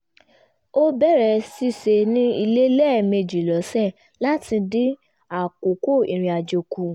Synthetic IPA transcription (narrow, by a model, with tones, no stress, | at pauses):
o˦bɛ˦˨ɾɛ˧˨si˧se˧nĩ˦i˧le˦lɛ˦˨me˧d͡ʒi˨lɔ˨˦sɛ˦˨ | la˦ti˧di˦ | a˦˨ko˨˦ko˦˨i˨ɾ̃ĩ˧a˨d͡ʒo˨ku˨˧